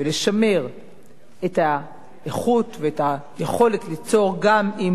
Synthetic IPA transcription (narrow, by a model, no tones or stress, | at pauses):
veleʃame̞ʁ | eta | eχut̪veetajeχo̞le̞tlit͡so̞ʁɡami